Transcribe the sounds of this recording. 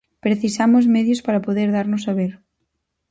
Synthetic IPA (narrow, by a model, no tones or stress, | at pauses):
pɾeθisamʊzmeðjʊspaɾapoðeɾðaɾnʊsaβeɾ